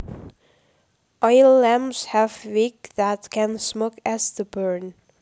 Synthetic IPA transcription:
ʔɔɪlːæ̃mshævwiɡðætkʰæ̃nsmokæsðəbɜ˞n

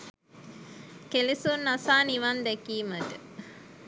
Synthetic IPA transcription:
kelisunːasaːniʋɐnd̪ɛkiːməʈə

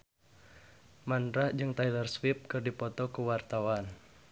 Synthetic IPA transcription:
manɾad͡ʒɨŋt̪ajlərswɪp̚kɨrdipɔt̪ɔkuwart̪awan

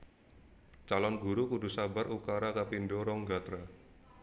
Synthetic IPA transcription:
t͡ʃalɔnɡuɾukudṳsabaɾukaɾakapindɔɾɔŋɡat̪ɾa

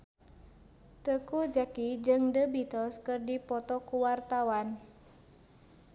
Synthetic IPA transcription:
t̪əkud͡ʒakid͡ʒɨŋdəbit̪ɔskɨrdipɔt̪ɔkuwart̪awan

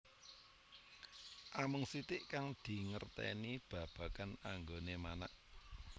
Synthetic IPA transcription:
ʔamʊŋsit̪ɪʔkaŋd̪̥i̤ŋərt̪ɛ̰nib̥ä̤b̥a̤kanaŋɡonemanaʔ

